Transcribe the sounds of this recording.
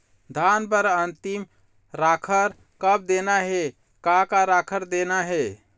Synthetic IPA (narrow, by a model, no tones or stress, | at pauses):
d̪ʱanbəɾənt̪im | ɾakʰəɾ | kəb̚d̪enaɦe | kakaɾakʰəɾd̪enaɦe